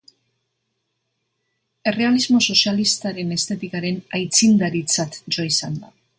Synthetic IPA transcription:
e̞re̞alizmo̞so̞sialist̪aɾe̞ne̞st̪e̞t̪ikaɾe̞najt͡sind̪aɾit͡sat̪d͡ʒoisand̪a

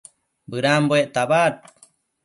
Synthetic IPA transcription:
bɨɾamboeʔt̪abat̚

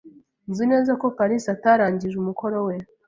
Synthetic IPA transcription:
nzine̞ːzako̞faɾisataɾaːɲɟiʒumuko̞ɾo̞we

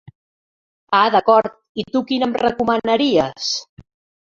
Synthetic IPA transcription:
aðəkɔɾt̪̚it̪ukinəmrəkumənəɾiəs

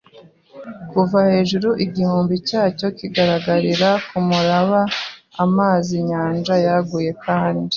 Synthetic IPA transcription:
kuvahe̞ːʒuɾuʔiɟihuːmbicaːco̞kiɡaɾaɡaɾiɾakumuɾaβaːmaːziɲaːnd͡ʒajaɡuːje̞kʰaːni

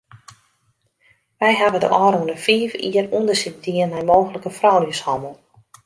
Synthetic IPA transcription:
ʋɛjɦabədə̰ʔɔːɾunəfiːvḭərundərsit̚diənɛjmoːxələkəfrɔwnjəshɔməlˠ

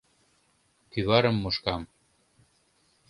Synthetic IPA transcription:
pyβɑɾɤ̆mːoʃkɑm

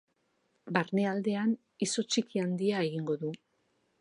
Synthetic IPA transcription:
baɾne̞ald̪e̞an | iso̞t͡ʃikiand̪iae̞ɣiŋɡo̞ðu

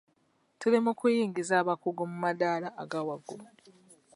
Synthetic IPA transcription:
tulimukujiːŋɡizaːβakuɡomumadaːlaːɡawaɡo

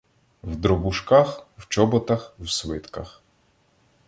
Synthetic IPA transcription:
wd̪ɾɔbʊʃkaxwt͡ʃɔbɔt̪ɐxwsʋɪt̪kɐx

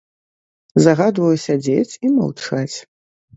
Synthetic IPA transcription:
zaɣad̪vɐjusʲad͡zʲet͡sʲima̰wt͡ʂat͡sʲ

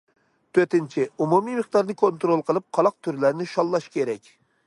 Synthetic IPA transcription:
t̪ʰøt̪ɪnt͡ʃʰɪumumimɨχd̪ɑɾnɨkʰont̪ɾolˠqʰəlˠɨp̚qʰɑlˠɑq̚t̪ʰyɾlæɾnɪʃɑlˠːɑʃkʲʰeɾɛkʲ

